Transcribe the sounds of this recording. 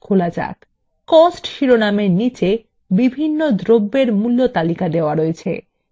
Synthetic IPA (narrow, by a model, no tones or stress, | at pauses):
kʰolat͡ɕa̰k | kɔsʈʃiɾonameɾnit͡ɕe | bibʱinːod̪ʱɾobːeɾmulːot̪alikad̪eoaɾoet͡ɕʰḛ